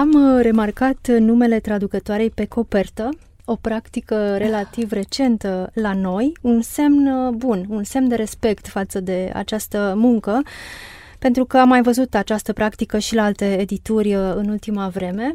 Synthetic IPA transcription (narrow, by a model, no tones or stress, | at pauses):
amre̞markat̪nume̞le̞t̪ɾad̪ukət̪oaɾe̞jpe̞ko̞pe̞rt̪ə | o̞pɾakt̪ikəɾe̞lat̪ivre̞t͡ʃe̞nt̪əlano̞junse̞mnbununse̞mnd̪e̞ɾe̞spe̞kt̪fat̪səd̪e̞a̰t͡ʃast̪əmuŋkə | pe̞nt̪ɾukəamːajvəzut̪at͡ʃast̪əpɾakt̪ikəʃilaalt̪e̞ːd̪it̪urʲəɨnult̪imavɾe̞me̞